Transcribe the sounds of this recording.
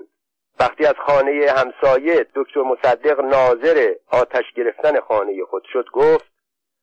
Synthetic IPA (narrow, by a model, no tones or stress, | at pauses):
væχt̪iːæz̥xɒːne̞jehæmsɒːje̞d̪̥oct̪ʰoɾmo̞sæd̪ːe̞ɣnɒːze̞ɾeɒːt̪ʰæʃɟe̞ɾe̞ft̪æne̞xɒːne̞jexo̞d̪̥ʃod̪ɡoːft̪̚